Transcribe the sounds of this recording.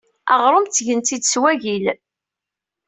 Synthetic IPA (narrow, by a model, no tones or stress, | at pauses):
ɑʁɾˤomt̪ːʝənt̪id̪swæʝil